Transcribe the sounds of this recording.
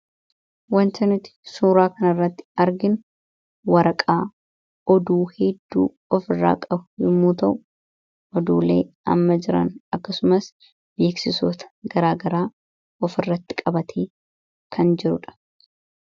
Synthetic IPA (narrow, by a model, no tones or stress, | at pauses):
wɐnt̪ɐnɪt̪ɪ̥suːɾaːkɐnɐrːɐt̪ːɪ̥ɐɾɡɪn | wɐɾɐkʼaː | ɔd̪uːhɛd̪ːṵː | ɔfɪrːa̰ːkʼɐbʊ̥jɪmːuːt̪ɐʔʊ | ʔɔd̪uːleːʔɐ̰mːɐd͡ʒɪɾɐ̰nʔɐkːɐsʊmɐs | be̞ːksɪsoːt̪ɐ̥ɡɐɾaːɡɐɾaː | ɔfɪrːɐt̪ːɪ̥kʼɐbɐt̪ʰeː | kʰɐnd͡ʒɪɾʊᶑɐ̥